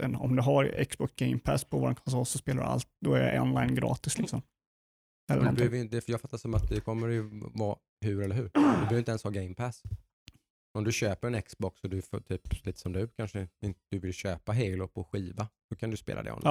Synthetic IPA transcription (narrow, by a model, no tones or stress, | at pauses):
ɛnɔ̰md̪ɵɦaɾɛ̰ksbɔksɡɛɪmpʰæspʰɔvadɛnkʰɔns̬ɔlsɔspeːladɵ̰a̰lt̪̚d̪ɔæja̰ɔ̰nlajnɡɾɑ̰ːt̪ɪslɪksɔm | ɛlːd̪b̪høvəɾɪnd̪ɛfjɑːɡfat̪ːasɔmat̪̚d̪ɛkʰɔmːəɾjɵvɑ̰ː | hʉɾɛlːəɾɦʉɾd̪ɵbɛhøːvɪnɛnshɑːɡɛɪmpʰæs | ɔmd̪ɵɕøːpəɾɛnɛksbɔksɔd̪ɵft̪ʰyːpliːt̪ə̥sɔmd̪ɵkʰanʂəɪnt̪d̪̥ɵvɪlɕøːpaɦelɔpʰɔɧiːvad̪̥ɔkʰand̪ʉspḛːlad̪ɛ̰ɔ̰nː